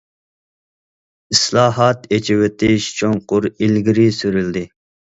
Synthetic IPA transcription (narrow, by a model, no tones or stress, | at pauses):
islˠɑːɦɑt̪et͡ʃʰɪwet̪ʰɪʃt͡ʃʰoŋqʊɾilɡʲiɾɪsyɾyld̪ɪ